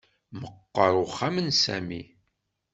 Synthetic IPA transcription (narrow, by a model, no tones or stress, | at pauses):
məqːɑɾˤʊχamənsæ̰mḭ